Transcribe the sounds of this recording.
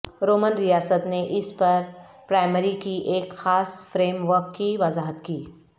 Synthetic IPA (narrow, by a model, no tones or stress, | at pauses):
ɾoːmənɾijaːsət̪neʔɪspɐɾ | pɾaːɪməɾikiʔeːkxaːsfɾeːmʋəɾkːiʋɐzaːɦət̪kiː